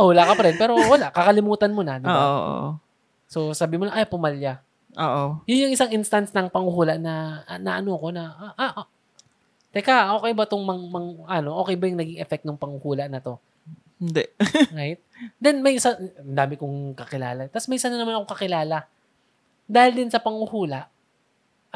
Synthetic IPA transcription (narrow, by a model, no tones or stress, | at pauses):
ɐhʊlakɐpɐɾɛnpɛːɾo̞wɐlaʔkɐkɐlɪmuːt̪ɐnmo̞nɐd̪ɪobaoʔʔ | so̞saːbɪmolaʔajpʊmɐlja | ʔoːʔojʊnjʊŋʔɪsaŋʔɪnst̪ɐnsnɐŋpɐŋʊhuːlɐʔnɐnɐʔɐno̞ʔɐko̞nɐʔaʔ | t̪ɛkaʔo̞ːkɛjbɐt̪oŋmɐŋmɐŋʔɐno̞ʔoːkɛjbɐjʊŋnɐɡiŋʔɛfɛk̚t̪nʊŋpɐŋʊhuːlɐʔnɐt̪o̞ | hɪnd̪ɛɾajɪt̪̚d̪ɛnmɐjʔɪsand̪aːmɪkoŋkɐkɪla̰ːlɐt̪ɐsmɐjʔɪsanɐnɐmanɐkokɐkɪlaːlɐ | d̪aːhɪld̪ɪnsɐpɐŋʊhuːlɐʔ